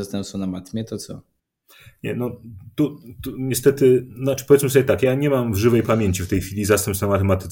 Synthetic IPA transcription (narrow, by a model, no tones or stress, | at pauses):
ast̪ɛmsɔ̃namat̪mʲjɛt̪ɔt̪sɔ̰ | ɲɛnɔt̪ut̪uɲɛst̪ɛt̪ɘnat͡ʂɘ̥pɔvʲɛt̪smɘsɔbʲjɛt̪akjaɲɛmamvʐɘvɛjpamʲjeɲt͡ɕift̪ɛjxʲfʲilʲizast̪ɛmpsnamat̪ɛmat̪ɘ